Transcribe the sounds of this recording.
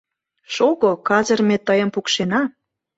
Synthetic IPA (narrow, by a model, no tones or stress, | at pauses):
ʃoɣokɑzə̆rmet̪ːəjə̆mpukʃenɑ